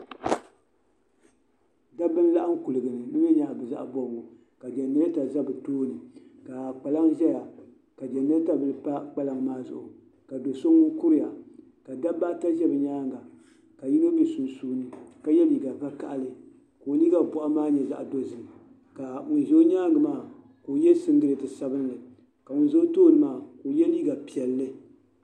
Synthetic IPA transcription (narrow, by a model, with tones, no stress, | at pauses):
da˦bɨ˦n˦la˦ʔa˦ŋ̩˦ku˨lɨ˨ɡɨ˨nɨ˨nɨ˦ɛ˦ɲa˨bɨ˨za̰˦ʔbɔ˨ŋo˨ | ka˨d͡ʒɛ˨nːɨ˦ɨ˦ta˨za˦bɨ˨toː˦nɨ˨ka˨k͡pa˨la˦ŋʒɛ˦ja˨ | ka˨d͡ʒɛ˨nːɨ˦ta˦bɨ˦lɨ˦pa˦k͡pa˦la˦ŋmaː˦zʊ̰˨ʔʊ̰˨ | ka˨do˨so˦ŋʊ˦ku˦ɾɪ˦ja˨ | ka˨da˦ba˦ta˦ʒɛ˦bɨ˨ɲaː˦ŋɡa˨ | ka˨ji˦no˦bi˨su˨nsuː˦nɨ˨ka˨jɛ˦li˨ɡa˨va˦ka˦ʔa˨lɨ˨ | ko˨liː˦ɡa˨bɔ˨ʔa˦maː˦ɲɛ˨za̰˨ʔdo˦zɨ˨ | ka˨mʊ˨n˨zo˦ɲaː˦ŋɡɨ˨maː˦˨ | ko˨jɛ˦sɨ˦ŋɡɨ˦ɾɨ˨tɨ˨sa˦bɨ˦n˦lɨ˨ | ka˨mʊ˨n˦zo˦toː˦˨nɨ˨maː˦˨ko˨jɛ˦liː˦ɡa˨pi˨ɛ˨lːɨ˦